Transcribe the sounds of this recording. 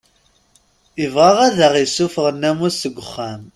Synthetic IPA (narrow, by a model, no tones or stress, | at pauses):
ivʁɑʁæðəʁisːufəʁənːæmusəɡʷːəχːæm